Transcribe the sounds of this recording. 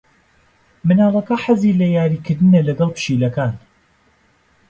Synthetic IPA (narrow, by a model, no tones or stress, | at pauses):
mɨnaːlˠɐkɐħazilɐjaːɾiːkɨɾd̪ɨnɐlɐɡɐlˠpʰɨ̥ʃiːlɐkaːn